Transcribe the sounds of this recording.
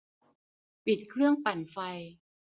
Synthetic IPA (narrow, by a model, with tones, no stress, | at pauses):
pi˨˩t̪̚kʰɾɯ˥˩əŋpa˨˩nfa˧j